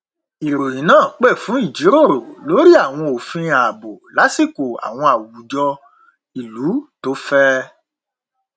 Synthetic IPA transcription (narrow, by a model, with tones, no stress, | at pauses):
i˨ɾo˨jĩ˨˦nãː˦˨k͡pɛ˦˨fũ˨˦i˦˨d͡ʒi˨˦ɾo˦˨ɾo˨lo˨˦ɾi˦a˦˨w̃ɔ̃˧o˨fĩ˧a˨bo˨la˨˦si˦˨ko˨a̰˨w̃ɔ̃˧a˨wu˨˦d͡ʒɔ˧ | i˨lu˨˦to˨˦fɛ˦